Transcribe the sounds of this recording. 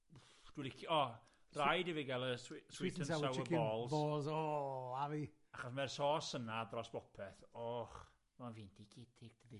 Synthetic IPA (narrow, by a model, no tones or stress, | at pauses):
u | d̥wɪlɪkʰɔ | rajdiviɡɛlˠəsswitənawəbɔːlˠzbɔːlˠzɔavi | aχɔsmɛrsɔːsənadrɔsb̥ɔpʰɛθɔχ | manviːndiɡʰɪtʰɪɡ̥̚dədi